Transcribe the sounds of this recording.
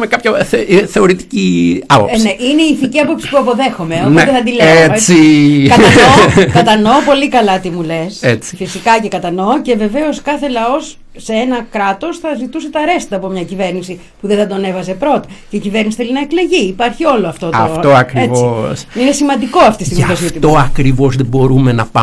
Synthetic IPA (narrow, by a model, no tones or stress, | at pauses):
mekɐpçɐθe̞o̞ɾit̪i̥ciɐpopsineʔineiːθiciɐpopsi̥puɐpo̞ðe̞xo̞meopt̪eθɐd̪ileesikɐt̪ɐokɐt̪ɐno̞polikɐlɐt̪imule̞set͡si̥fisikɐce̞kɐt̪ɐno̞ce̞ve̞ve̞o̞skɐθe̞lɐo̞s | se̞enɐkɾɐt̪o̞sθɐzit̪use̞t̪ɐɾe̞st̪it̪ɐːpo̞mɲɐcive̞ɾnisi | puðeθɐd̪o̞ne̞vɐze̞pɾo̞t̪ɐ̥ce̞icive̞ɾnisi̥θelinɐekle̞ʝiːpɐɾçio̞lo̞ɐft̪o̞tɐ̰ft̪oɐkɾievosinesimɐnd̪iko̞ɐft̪ist̪imip̪osiot̪it̪oɐkɾivo̞zðebo̞ɾumenɐpa